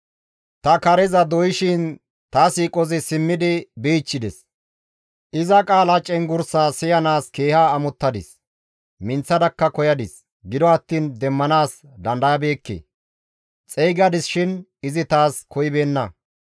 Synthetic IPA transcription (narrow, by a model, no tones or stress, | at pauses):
t̪ɐkɐɾɛzɐd̪ɔjɪʃɪn | t̪aːsiːkʼɔzɪsɪmːɪd̪ɪbiːt͡ʃːɪd̪ɛs | ʔɪzɐkʼaːlɐt͡ʃʼɛŋɡʊɾsaːsɪjɐnaːske̞ːhaːmʊt̪ːɐd̪ɪs | mɪnt͡sːɐd̪ɐkːɐkɔjɐd̪ɪs | ɡɪd̪ɔɐt̪ːiːnd̪ɛmːɐnaːs | d̪ɐnd̪ɐjɐbe̞ːkːḛː | t͡sʼɛjɡɐd̪ɪsʃɪn | ɪzɪt̪aːskʰɔjɪbe̞ːnːɐ